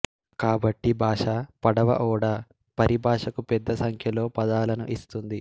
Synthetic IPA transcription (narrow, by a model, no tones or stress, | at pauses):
kaːbɐʈːibʱaːʂɐpɐɽɐʋɐ̰ʔɔːɽɐ | pɐɾʔibʱaːʂɐkupɛd̪ːɐsɐŋkʰjɐlo̞ːpɐd̪aːlɐnuʔist̪und̪i